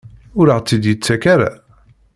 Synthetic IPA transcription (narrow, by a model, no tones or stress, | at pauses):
ʊɾəʁt͡sːid̪jit͡sːækaɾa̰